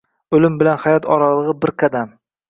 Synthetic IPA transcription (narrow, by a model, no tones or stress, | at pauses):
ɵlɪmbɪlanhajɒt̪ʰɒɾalˠɨʁɨbɪɾkʰad̪am